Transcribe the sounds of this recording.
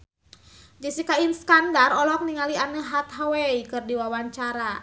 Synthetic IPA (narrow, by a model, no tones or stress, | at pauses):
d͡ʒisikainskandarɔlɔk̚niŋalianəɦat̪̚ɦawɛikɨrdiwawaɲt͡ʃaɾa